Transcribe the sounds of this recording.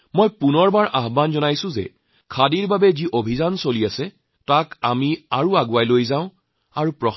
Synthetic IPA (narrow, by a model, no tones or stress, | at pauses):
mojpunɔɹbaɹʔaɦbanzɔnajsʊ̃zɛ̰ | kʰadiɹbabɛziʔobʱizansoliasɛ | takamiaɹuaɡʊajlojzãʊ̃ | aɹupɹɔx